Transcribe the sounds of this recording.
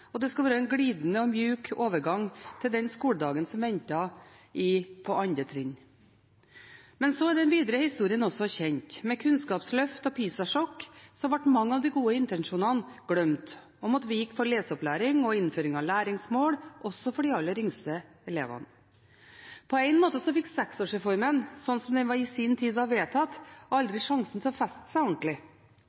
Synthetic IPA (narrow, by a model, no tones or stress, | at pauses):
ɔd̪ɛskʉlʋæːɾəɛnɡɽiːd̪nəɔmjʉːkʰoːʋəɾɡɑŋt̪ʰɪld̪ɛnskuːləd̪ɑːɡənsɔmʋɛnt̪ɑʔɪpʰɔɑnd̪ɾət̪ʰɾɪn | mɛnsoæɖ̪ɛnʋiːd̪əɾəhɪst̪uːɾɪənɔsɔçɛnt̪mɛkʰʉnskɑːpslœft̪ɔpʰiːsɑʂɔkːsɔmʋæʈːmɑŋːɑʋd̪ɪɡuːəɪnt̪ɛnʂuːnɑnɡ̥ɽœmt̪ | ɔmɑt̪ʋɪjɪkːfɔɾɭeːsɔplæːɾɪŋɔɪnføːɾɪŋɑʋlæːɾɪŋsmoːɽʔɔsːɔfɔɖɪɑlːəɾʏŋst̪ə | ɛlḛːʋɑ̰n | pʰɔæɪnmoːt̪əsɔfɪkːsɛksoːʂɛfɔɾmənsɔnːsɔmd̪ɛʋɑɾɪsɪnt̪ʰiːd̪ɑʋeːt̪ʰɑt̪ːɔɑld̪ɾɪʂɑŋsn̩t̪ʰɪlɔfɛst̪ə̥sæɪɔɳʈlɪ